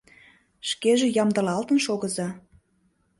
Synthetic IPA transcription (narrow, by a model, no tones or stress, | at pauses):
ʃkeʒĕjɑmd̪ɤ̆lɑlt̪ənʃoɣə̆zɑ